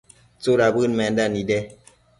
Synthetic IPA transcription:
t͡soɾabɨnmɛndanidɛ

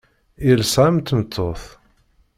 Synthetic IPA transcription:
ilsamt̪mət̪ʰːoθ

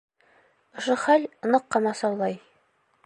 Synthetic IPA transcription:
ŏʃɤχælnɤqːɑmɑsɑwlˠɑj

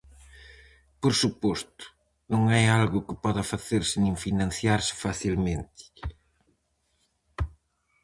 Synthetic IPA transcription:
poɾsupɔst̪ʊ̥ | nõŋajalɣʊkɪ̥pɔðɐfaθeɾsɪnĩŋfinãn̟θjaɾsɪ̥faθilmẽnt̪ɪ̥

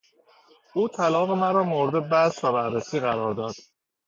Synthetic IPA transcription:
ʔuːt̪ʰælɒːɣe̞mæɾɒːmoɾed̪ebæsvæbæɾːesiːɣæɾɒːɾd̪ɒːd̪̥

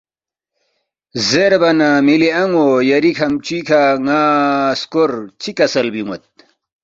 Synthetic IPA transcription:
zeɾbɐnamiliɐŋojɐɾikʰɐmt͡ɕikʰaŋaːskoɾt͡ɕʰikɐsɐlbimɐt̪̚

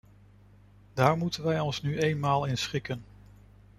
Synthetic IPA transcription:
d̥aːɹmutənʋɛjɔnsnyʔejnmaːlˠɪnsχɪkən

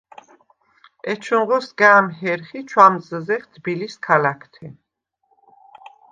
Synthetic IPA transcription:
ɛt͡ʃʰũɴʁɔsɡaːmɦɛɾχit͡ʃʰwamzəzɛχd̪biliskʰalakʰt̪ʰɛ

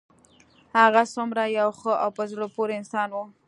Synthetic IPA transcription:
haɣasʊmɾajawxəʔawpəzlopoɾeɪnsɑnwu

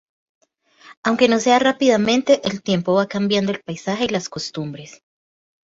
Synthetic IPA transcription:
awŋkeno̞se̞arapiðamẽ̞nt̪e̞ʔelt̪je̞mpo̞βakambjand̪oe̞lpajsaxe̞ilasko̞st̪umbɾe̞s

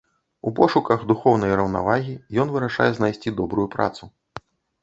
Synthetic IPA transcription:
ṵpɔʂukɐɣd̪uxɔwnɐjɾɐwna̰vaɣʲijɔnvɨɾɐʂa̰jɛznajsʲt͡sʲid̪ɔbɾujupɾa̰t̪su

